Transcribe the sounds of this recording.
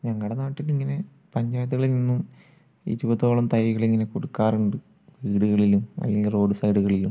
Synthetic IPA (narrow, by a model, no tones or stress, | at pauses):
ɲɐŋːɐɭɽenaːʈːilːiŋːɐne̞ | pɐɲd͡ʑaːjɐt̪ːuɣɐɭilninːum | ḭɾubɐðo̞ːɭɐmt̪ɐjiɣɐɭiŋːɐne̞koɽukːaːruɳɖɨ | ʋiːɽuɣɐɭilumɐ̰lːeŋɡilro̞ːɖɨsɐjɽuɣɐɭilum